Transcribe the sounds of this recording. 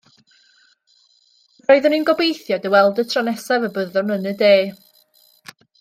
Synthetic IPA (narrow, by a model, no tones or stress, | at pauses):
rɔɨðəninɡɔbejθjɔdəwɛlˠdətʰranɛsavəbəðɔnənədeː